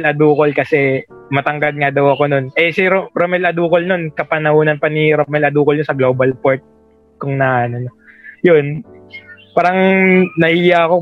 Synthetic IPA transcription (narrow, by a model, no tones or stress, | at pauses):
lɐd̪uːko̞lkɐsɛ | mɐt̪ɐŋɡɐd̪̚ŋad̪ɐwɐko̞no̞nʔɛsɪɾoɾomɛlʔɐd̪uːkolno̞nkɐpɐnɐhuːnɐnpɐniɾomɛlɐd̪uːkolɲosɐɡlo̞ːbɐlpoɾt̪̚ | kʊŋnaːnonojon | paːɾɐŋnɐhiːjaɐko̞